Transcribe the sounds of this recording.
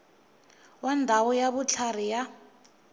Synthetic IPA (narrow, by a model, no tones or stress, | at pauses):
wandʱawɔjaβut͡ɬʰarija